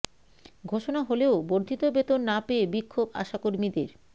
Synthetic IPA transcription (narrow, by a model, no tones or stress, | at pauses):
ɡʱoʃonaɦoleoboɾd̪ʱit̪obet̪onːapeebikʰːoba̰ʃakoɾmid̪eɾ